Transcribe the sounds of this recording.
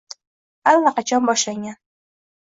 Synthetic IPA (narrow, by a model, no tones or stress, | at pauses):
alːaqɑt͡ʃʰɒnbɒʃlaŋan